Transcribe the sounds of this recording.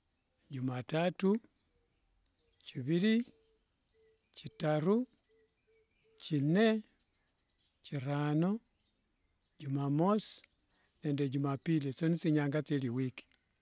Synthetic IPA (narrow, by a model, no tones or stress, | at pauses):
ɟumatatu | ciβili | citaɾu | cine | ciɾano | ɟumamos | ne̞ːndeɟumapilit͡sonit͡siɲaːŋɡat͡seliwiki̥